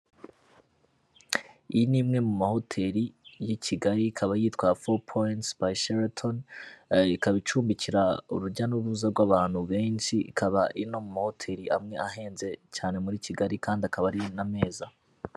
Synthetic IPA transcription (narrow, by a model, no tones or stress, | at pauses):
inimŋe̞mumaho̞tʰe̞ɾijicʰiɡaɾikʰaβajiːtwafopʰontsbaiʃeɾatʰon | ikaβit͡ʃuːmbiciɾauɾuɟanuβuzaɾɡwaːβaːn̥huβe̞ːnʃikʰaβaʔino̞mumaho̞tʰe̞ːɾiʔa̰mŋe̞ahe̞ːnze̞t͡ʃaːne̞muɾiciɡaɾikaːndiakʰaβaɾiname̞ːza